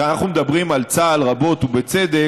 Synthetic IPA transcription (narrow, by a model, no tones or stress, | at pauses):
anaχnumed̪abʁimalt͡saːlʁabo̞t̪ubet͡sed̪e